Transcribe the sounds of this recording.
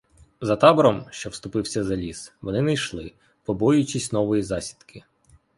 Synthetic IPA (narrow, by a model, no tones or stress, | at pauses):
zɐt̪ɑbɔɾɔmʃt͡ʃɔwst̪ʊpɪwsʲɐzɐlʲisʋɔnɪnɐjʃlˠɪ | pɔbɔjʊt͡ʃisʲnɔʋɔjizɑsʲi̥d̪kʰɪ